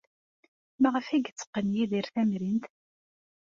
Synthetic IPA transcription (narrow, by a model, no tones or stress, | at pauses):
mæʁəfæɡt͡sːə̥qːənjiðiɾθæmɾint̪